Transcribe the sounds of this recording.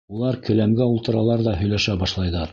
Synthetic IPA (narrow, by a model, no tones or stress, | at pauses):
ulˠɑɾkɵ̆læmɡæulˠt̪ɤ̆ɾɑlˠɑɾðɑɦɵ̆jlæʃæbɑʃlˠɑjðɑɾ